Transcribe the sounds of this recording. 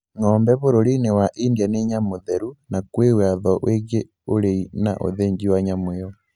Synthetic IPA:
ŋɔːmbɛβoɾoɾinewaʔiːndianeɲamoðeɾunakwewaðɔʔwʔeɣe | oɾeina̰ʔo̰ðeɲd͡ʒiwaɲamweɔ

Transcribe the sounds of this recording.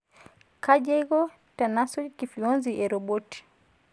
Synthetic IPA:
kaʄɛjɣɔ | tanasɔkifiɔnziʔɛɾɔbɔti̥

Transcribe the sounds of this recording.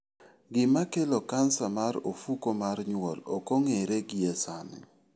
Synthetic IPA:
ɡɪmakelokansamaɾo̰fukomarɲwɔlɔkoŋeɾeɡɪesanɪ̰

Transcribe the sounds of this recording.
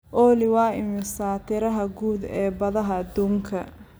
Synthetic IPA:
ʔɔːlɪwɑːɪmɪsaːt̪ʰɪɾɐɦɐɡuːd̪ɛːbɐðɐɦɐːd̪uːŋkʰɐ

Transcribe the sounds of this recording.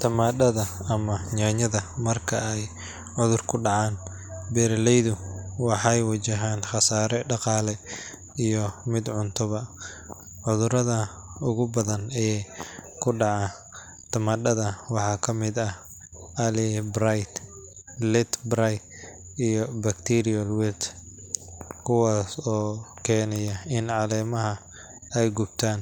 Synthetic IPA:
t̪ʰɐmaːdɐðɐːmɐɲaːɲɐðɐmɐrkʰɐɛj | ʕʊðʊrkʰʊɖɑʕɑːn | bɛːɾɐlɛjðʊwɑħɑjwɐt͡ʃɐɦaːnχɑsaːɾɛɖɑqɑːlɛ | ijɔmɪd̪ʕʊnt̪ʰʊβɐ | ʕʊðʊɾɐðɐ | ʊɣʊbɐðɐnɛ | kʰʊɖɑʕɑ | t̪ʰɐmɐɖɐðɐwɑħɑːkʰɐmɪd̪ɐ | ʔɐlɪbɾajt̪ | lɛt̪bɾajt̪ | ijɔbɐkt̪ʰiɾɪɐlwɛt̪ | kʰʊwaːsɔːkʰɛːnɐjɐɪnʕɑlɛːmɐɦɐ | ɛjɡʊb̥t̪ʰaːn

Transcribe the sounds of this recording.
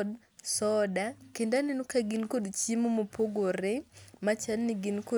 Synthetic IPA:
d | sɔdakendanenukaɡinkodt͡ʃimomopʰoɡoɾemat͡ʃanːɪɡinko

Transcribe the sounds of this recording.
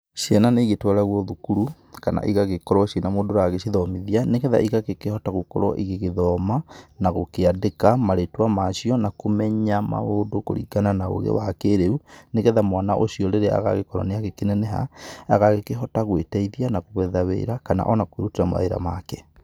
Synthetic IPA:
ɕiɛnaneɣetwaɾaɣwɔðukuɾu | kana̰ʔiɣaɣekɔɾɔʃjenamoːdoɾaɣeʃiðɔmiðianeɣɛða̰ʔiɣaɣekehɔtaɣokɔ̰ɾɔ̰ʔiɣeɣeðɔmanaɣokeadekamaɾetwamaʃiɔnakomɛɲama̰oːdoko̰ɾḭɡananao̰ɣḛwakeɾeuneɣɛðamwanaʔoɕiɔɾeɾea̰ɣa̰ɣekɔɾɔ̰neaɣekenɛnɛɦa̰aɣaɣekeɦɔtaɣwetɛiðianakoɣɛðawḛːɾakana̰ʔɔnakweɾutiɾama̰eɾa̰makɛ

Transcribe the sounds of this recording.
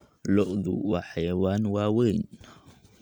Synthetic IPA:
lɔʔðṵwaħajwaːnwaːwɛn

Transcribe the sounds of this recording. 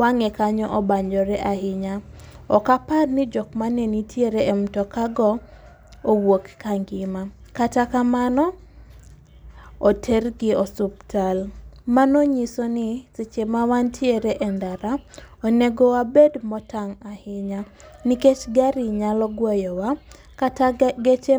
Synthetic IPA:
waŋɛkaɲɔʔɔbaɲd͡ʒɔɾɛʔahɪɲaɔkaparnɪd͡ʒɔkmanenitʰjeɾeɛmtɔkaɡɔ | owokkaŋɡɪmakatakamanɔ | otʰɛrɡɪɔsup̚talmanoɲisonit͡sit͡ʃemawantʰjeɾeʔɛndaɾaɔneɡɔwabedmɔtaŋahɪɲa | niket͡ʃɡaɾiɲalɔɡwɔjɔwa | kataɡet͡ʃe

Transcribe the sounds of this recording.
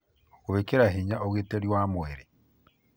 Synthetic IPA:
ɣwekeɾaɦiɲaoɣwiteɾjwamweɾe

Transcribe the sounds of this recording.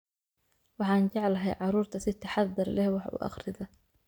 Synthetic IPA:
wɑħɑːnt͡ʃɑʕlɐɦɛjʕɑɾuːrt̪ʰɐsɪt̪ʰɑħɑdɐrlɛhwɑħṵʔɑ̰χrɪðɐ

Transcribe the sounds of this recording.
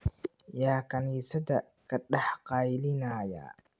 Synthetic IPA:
jaːkʰɐniːsɐdɐ | kʰɐɖɑħqɑːjlɪnaja̰ː

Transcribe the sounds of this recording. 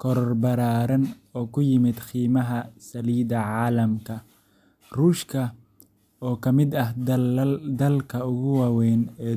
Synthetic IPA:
kʰɔɾɔrbɐɾaːɾɐnɔːkʰʊjɪmɪd̪xiːmɐɦɐsɐliːðɐʕɑːlɐmkʰɐ | ruːʃkʰɐ | ɔːkʰɐmɪd̪ɐɦ | d̪ɐlkʰɐʊɣʊwɑːwɛːnɛː

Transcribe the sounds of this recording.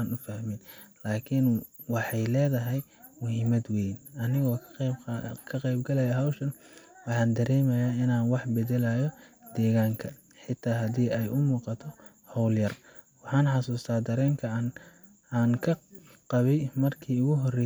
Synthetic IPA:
aːnʊfɐhmɪnlaːkʰɪn | wɑħɑjlɛːðɐɦɛj | mʊɦɪmɐd̪wɛjnʔɐnɪɣɔː | kʰɐqɛjbɡɐlɐjɐɦɐwʃɐnwɑħɑːnd̪ɐɾɛːmɐjaːɪnaːnwɑħbɛðɛlajɔd̪̥ɛːɣaːŋkʰɐ | ħɪt̪ʰaːɦɐdiːɛjʔʊmuːqɑt̪ʰɔ | hɔwljɐr | wɑħɑːnħɑsuːst̪ʰaːd̪ɐɾɛːŋkʰɐ | aːnkʰɐ | qɑβɛjmɐrkʰiːʊɣʊɦɔrɛ

